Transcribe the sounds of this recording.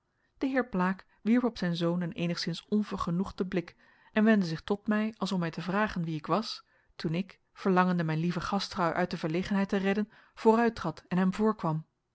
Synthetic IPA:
d̥əɦɪːɹplaːk | ʋiɹpɔpsɛjnzownənḛjnəχsɪnsɔnvəɹχənuχdəblɪk | ɛnʋɛndəzɪχtɔtmɛjɑlˠsɔmɛjtəvraːχənʋiɪkʋɑs | tunɪk | fəɹlɑŋəndəmɛjnlivəχɑstrɑwʔœ̰ɥt̚dəvəɹlejχənɦɛjtərɛdən | v̥ʊːrœɥtrɑtɛnɦɛmvʊːɹkʋɑm

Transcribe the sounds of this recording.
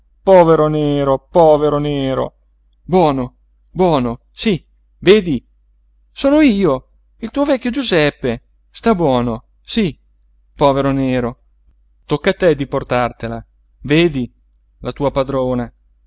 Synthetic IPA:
pɔːveɾoneːɾopɔːveɾoneːɾo̰ | bwɔːno | bwɔːno | si | veːd̪i | soːnoiːo | ilt̪uːovɛkʲːjod͡ʒuzɛpːe | st̪abwɔːno | si | pɔːveɾoneːɾo | t̪okːat̪ːɛd̪iport̪art̪ela | veːd̪i | lat̪uːapad̪ɾoːna

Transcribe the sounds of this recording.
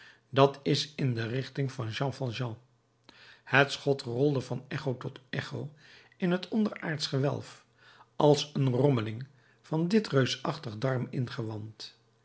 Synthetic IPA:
dɑtɪsɪndərɪχtɪŋvɑnʒɑ̃ːfɑlˠʒɑ̃ː | hətsχɔtrɔlˠdəvɑnɛχowtɔtɛχow | ɪnɦətɔndəɹa̰ːɹtsχəʋɛ̰lˠf | ɑlˠsənrɔməlɪŋ | v̥ɑndɪtrøɥsɑχtəχdɑɹmɪnχəʋɑnt

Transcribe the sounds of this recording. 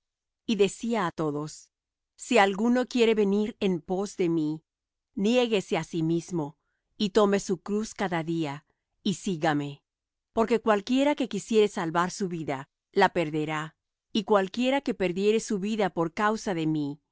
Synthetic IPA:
iðe̞siaːt̪o̞ðo̞sː | ialɣuno̞kje̞ɾe̞βe̞niɾe̞mpo̞zðe̞mi | nje̞ɣe̞se̞asimizmo̞ | it̪o̞me̞sukɾuskaðaðia | isiɣame̞ | po̞ɾke̞kwalkje̞ɾake̞kisje̞ɾe̞salβaɾsuβiða | lape̞ɾðe̞ɾa | ikwalkje̞ɾake̞pe̞ɾðje̞ɾe̞suβiðapo̞ɾkawsaðe̞mi

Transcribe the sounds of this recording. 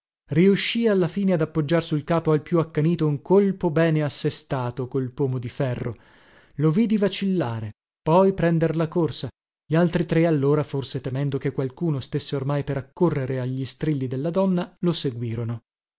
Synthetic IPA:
riuʃːialːafiːnead̪apːod͡ʒːarsulkaːpoalpjuakːaniːt̪ouŋkolpobɛːneasːest̪aːt̪okolpɔːmod̪ifɛrːo̰ | lovid̪ivat͡ʃilːaːɾe | pɔjpɾɛnd̪erlakorsa | ʎialt̪ɾit̪ɾealːoːɾaforset̪emɛnd̪okekːwalkuːnost̪esːeormajpeɾakːorːeɾeaʎːist̪ɾilːid̪elːad̪ɔnːaloseɡwiːɾono

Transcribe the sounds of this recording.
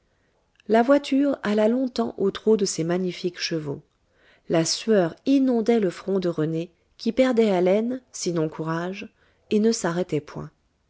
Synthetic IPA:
lavwat̪ʰyʁalalɔ̃t̪ɑ̃ʔot̪χod̪əsemaɲifikʃəvo̰ | lasɥœʁinɔ̃d̪ɛləfχɔ̃d̪əʁəne | kʲipɛʁd̪ɛalɛnsinɔ̃kʰuʁaʒ | enəsaʁɛt̪ɛpʰwɛ̰̃

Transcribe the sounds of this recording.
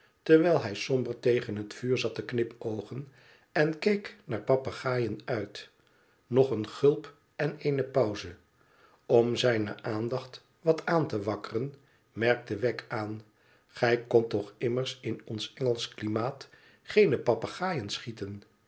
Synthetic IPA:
tɛɹʋɛjlˠɦɛjsɔmbəɹtejχənɦətfyːɹzɑtəknɪpowχən | ɛnkejknaːɹpɑpaχaːjənœɥt | nɔχənχɵlˠp | ɛnejnəpɑwzə | ɔmzɛjnə̰ʔaːndɑχt | ʋɑtʰaːntəʋɑkərən | mɛɹk̚təʋɛkʰaːn | χɛjkɔntɔχɪməɹsɪnɔnsɛŋəlˠsklimaːt | χejnəpɑpaχaːjənsχitən

